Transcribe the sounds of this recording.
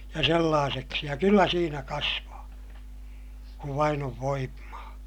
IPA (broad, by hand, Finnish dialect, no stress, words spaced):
jɑ selːɑːseksi jɑ kylːæ siːnæ kɑsʋɑː kuʋ ʋɑin oʋ ʋoimːɑː